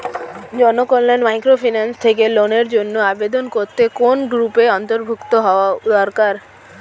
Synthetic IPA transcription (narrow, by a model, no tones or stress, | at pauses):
d͡ʑɔnokolːanmajkɾofʰinanst̪ʰekeloneɾd͡ʑonːoabed̪onkoɾt̪ekonɡɾupeɔnt̪oɾbʱukt̪oɦɔoad̪ɔɾkaɾ